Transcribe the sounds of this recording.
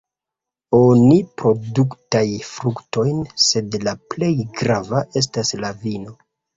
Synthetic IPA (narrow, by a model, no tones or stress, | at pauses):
onipɾo̞duktajfɾukto̞jnse̞dlaple̞jɡɾavaʔe̞s̬taslavino̞